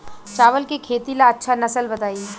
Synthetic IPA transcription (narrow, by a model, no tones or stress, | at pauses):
t͡ʃaːʋəlkekʰeːt̪ilaɐtːʃʰanɐsəlbɐt̪aːi